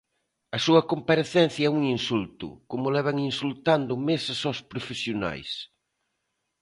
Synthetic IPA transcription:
ɐsuɐkompaɾeθɛn̟θjɐɛuŋinsult̪ʊ̰komʊlɛβ̞aŋinsult̪and̪ʊmesɐsowspɾofesjona̰js

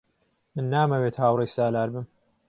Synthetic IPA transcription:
mɨnːaːmɐweːt̪haːwrejsaːlaːɾbɨm

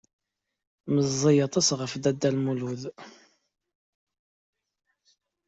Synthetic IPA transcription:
məzˤːijɑt̪ˤɑsʁəfd̪æd̪ːælmuluð

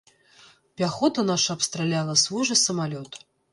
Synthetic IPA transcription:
pʲaxɔt̪ɐnaʂɐɐpst̪ɾalʲalˠɐsvuʐɨsɐmalʲɔt̪

